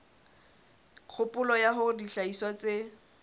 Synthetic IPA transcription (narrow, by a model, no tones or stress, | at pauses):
q͡χʰʊpʼʊlɔjaɦʊdiɬaiswat͡sʼe